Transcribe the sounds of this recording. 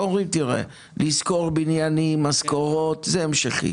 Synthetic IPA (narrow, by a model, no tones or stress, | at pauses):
oʁimt̪iʁḛ | lizko̞ʁbinjanimːaskoʁo̞t̪zeemʃeχḭ